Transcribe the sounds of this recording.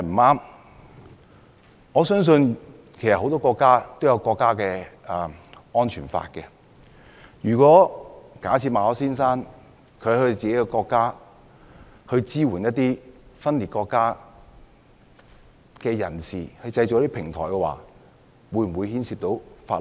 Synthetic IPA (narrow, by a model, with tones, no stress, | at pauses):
m̩˨˩aː˥m | ŋɔː˨˧sœː˥ŋs̬ɵ˧n | kʰe˨˩jsɐ˨t̚ho˨˥t̪ɔː˥kɔː˧kːaː˥t̪o˥wjɐ˨˧wkɔː˧kːaː˥kɛː˧˨˩ | ɔː˥nt͡ʃʰyː˨˩nfa̰ː˧t̚kɛ˧ | jyː˨˩kɔː˨˥kaː˨˥t͡sʰiː˧t̚maː˨˧ɔː˨˧˥siː˥nsaː˥n | kʰɵ˨˧˨hɵ˧t͡siː˨ke˦˥jkɛ˧kɔː˧kːaː˥ | hɵ˧ɥt͡siː˥wuː˨˩njɐ˥t̚t̪iː˥fɐ˥nli˨t̚kɔː˧kːaː˥ | kɛː˧jɐ̰˨˩nsiː˨hɐ˧jt͡sɐ˧jt͡ɕo˨jɐ˥t̪i˥pʰɪ˨˩ŋt̪ʰɔː˨˩jkɛ˧wa̰ː˨˧ | wuː˨˧jm̩˨˩wu˨˧jhiː˥nsiː˧p̚t̪o˨˥wfa̰ː˧˥l